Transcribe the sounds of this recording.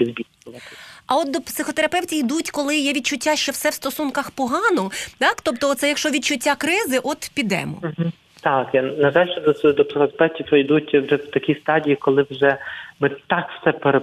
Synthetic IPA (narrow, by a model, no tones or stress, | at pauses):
izbʲil | ɔlɐɐɔt̪̚d̪ɔpsɪxɔt̪eɾɐpɛwtʲijd̪utʲkɔlˠɪjɛʋʲid̪̚t͡ʃʊtʲːaʃt͡ʃɛwsɛwst̪ɔsunkɐxpɔɦɑnɔt̪ɑkt̪ɔpt̪ɔɔt̪sɛjɐkʃt͡ʃɔʋʲid̪̚t͡ʃʊtʲːakɾɪzɪʔɔt̪pʲid̪ɛ̰mɔ̰m̩ɦ̩ | t̪ɑkjnɐʒɑlʲʃt͡ʃɛd̪ɔd̪ɔpsɪxɔt̪ɐpɛwtʲiɔjd̪utʲwʒɛwt̪ɐkʲist̪ɑdʲijikɔlˠɪwʒɛmɪt̪ɑkwsɛpeɾe